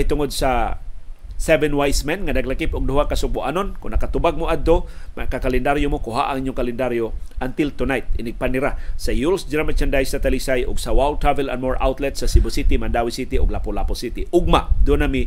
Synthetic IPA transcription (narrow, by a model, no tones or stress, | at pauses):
jt̪ʊŋod̪̚sa | sɛvɛnwajsmɛnŋanaɡlakɪpʊɡ̚d̪ʊhakasʊbʊʔa̰nonkʊnɐkat̪ʊbaɡ̚mʊʔad̪̚t̪omakakalɛnd̪aɾjomokʊɦa̰ʔa̰ŋʔiɲʊŋkalɛnd̪aɾjoʔant̪ɪlt̪ʊnajt̪̚ɪnɪɡ̚panːɪɾasajulsd͡ʒɾamat͡ʃand̪ajsat̪alisajʔʊɡsawawl̚t̪ɾavɛla̰nmoɹʔa̰wt̪lɛt̪sasibʊsit̪ɪmand̪awisit̪ɪʊ̰ɡlapʊlaposit̪ɪʔʊɡ̚maʔd̪ʊnami